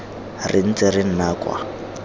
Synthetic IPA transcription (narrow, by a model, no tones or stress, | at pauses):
rɪn̩t͡sɛrɪn̩naːkwa̰